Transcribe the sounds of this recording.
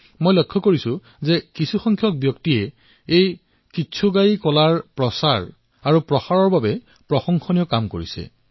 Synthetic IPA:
mojlɔkʰːɔkoɹisʊ̃ | zɛkisʰuxɔŋkʰjɔk̚bjɔktijɛ | ej | kisʰuɡajkɔlaɹpɹɔsaɹ | aɹupɹɔxaɹɔɹbabɛ | pɹɔxɔŋxɔnijɔkamko̰ɹḭsɛ̰

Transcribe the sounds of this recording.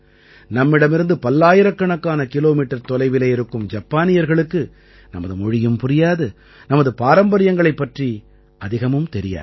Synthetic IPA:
nɐmːɪɽɐmɪɾɯnd̪ɯpɐlːaːjɪɾɐkːɐɳɐkːaːnɐkɪloːmiːʈːɐɾt̪ɔlɐɪʋɪleːɪɾɯkːɯmd͡ʒɐpːaːnɪjɐɾɣɐɭɯkːɯ | nɐ̰mɐðɯmɔɻɪjɯmpʊɾɪjaːðɯ | nɐmɐðɯpaːɾɐmbɐɾɪjɐŋɡɐɭɐɪpːɐʈri | ɐðɪɣɐmɯmt̪ɛɾɪja̰ːɾ

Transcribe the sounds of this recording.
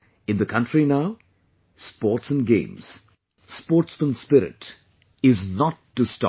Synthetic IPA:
ɪ̃nd̪əkʰʌ̃ntɾinaʊ | spɔːʈsə̃nɡḛ̃mz̥ | spɔːɾʈsmə̃nspɪɾɪ̰ʈ | ɪznɔʈːustɔ̰

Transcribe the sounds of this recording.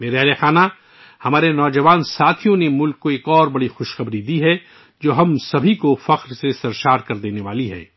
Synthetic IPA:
meːɾɛɦlexaːna | hɐmaːɾenɔːd͡ʒɐʋaːnsaːt̪ʰijõnemʊlkːoeːkɔːɾbɐɽixʊʃxɐbɾid̪iɦɛ | d͡ʒoːɦɐmsɐbʱikofɐqɾsesɐɾʃaːɾkɐɾd̪eːneʋaːliɦɛ̰ː

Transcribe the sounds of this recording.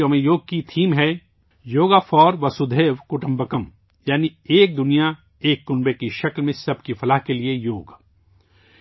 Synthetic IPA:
omẽjoːɡ̚kit̪ʰiːmɦɛ | joːɡafɔːɾʋɐsud̪ʱeːʋkʊʈə̃mbəkəm | jaːnieːk̚d̪ʊnija | eːkːʊnbekiʃɐklmẽsɐb̚kifɐlaɦkeliejoːɡ

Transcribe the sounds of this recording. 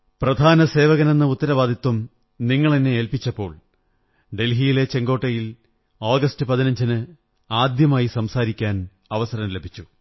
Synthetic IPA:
prɐd̪ʱaːnɐse̞ːʋɐɣɐne̞nːɨut̪ːɐɾɐʋaːd̪ʱjɐt̪wɐm | niŋːɐɭeneelpit͡ɕːɐpːo̞ːɭ | ɖe̞lɦijile̞t͡ɕe̞ŋɡo̞ːʈːɐjil | oːɡɐstɨpɐðinɐɲd͡ʑinɨ | aːd̪jɐmaːjisɐmsaːɾikʲːaːn | ɐʋɐsɐɾɐnle̞bʱit͡ɕːu

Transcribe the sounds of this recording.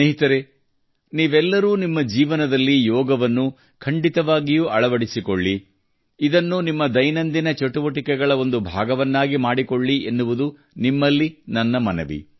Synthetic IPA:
eɦit̪ɐɾe | niːʋɛlːɐɾuːnimːɐd͡ʒiːʋɐnɐd̪ɐlːijɔːɡɐʋɐnːu | kʰɐɳɖit̪ɐʋaːɡijuʔɐɭɐʋɐɽisikoɭːi | id̪ɐnːunimːɐd̪ɐjnɐnd̪inɐt͡ʃeʈuʋɐʈikɛɡɐɭɐo̞nd̪ubʱa̰ːɡɐʋɐnːaːɡimaːɽikoɭːienːuʋud̪u | nimːɐlːinɐnːɐmɐnɐ̰ʋḭ

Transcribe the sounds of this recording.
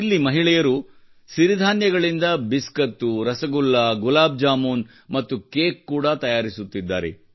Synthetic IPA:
ilːimɐɦiɭɛjɐɾu | ʃiɾid̪ʱaːnjɐɡɐɭind̪ɐbiskɐt̪ːuɾɐsɐɡulːɐɡulaːb̚d͡ʒaːmuːn | mɐt̪ːukeːkːuːɽɐt̪ɐjaːɾisut̪ːid̪ːa̰ːɾḛ

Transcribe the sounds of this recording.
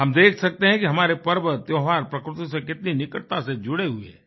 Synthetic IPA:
ɦɐmd̪eːkʰsɐk̚t̪eɦɛ̃kiɦɐmaːɾepɐɾbət̪jɔːɦaːɾpɾɐkɾɪt̪osekɪt̪ninɪkəʈt̪ased͡ʒʊɽeɦʊḛɦɛː

